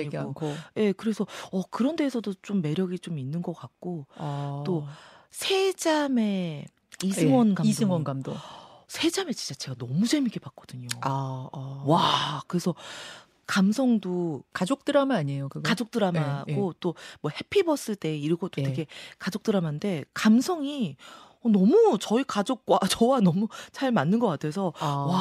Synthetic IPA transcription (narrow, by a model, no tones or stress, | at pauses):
ɲiokʰoje̞kɯɾe̞sʰʌʌkɯɾʌnde̞ːsʰʌdot͡ɕomːe̞ɾjʌɡit͡ɕominːɯnɡʌk͈ak̚k͈ot͈osʰe̞d͡ʑame̞ | isʰɯŋwʌnkaisʰɯŋwʌnɡamdo̰sʰe̞d͡ʑame̞t͡ɕint͡ɕ͈at͡ɕe̞ɡanʌmud͡ʑe̞mik͈ebak̚k͈ʌdɯɲoa | wakɯɾe̞sʰʌ | kamsʰʌŋdokad͡ʑok̚t͈ɯɾamaɲejokɯɡkad͡ʑok̚t͈ɯɾamaɡot͈omwʌhe̞pʰibʌs͈ɯt͈e̞iɾiɡot͈otʰeɡe̞kad͡ʑok̚t͈ɯɾamande̞kamsʰʌŋi | ʌnʌmut͡ɕʌikad͡ʑok̚k͈wat͡ɕʌwanʌmut͡ɕaɭmanːɯnɡʌk͈atʰe̞sʰʌwa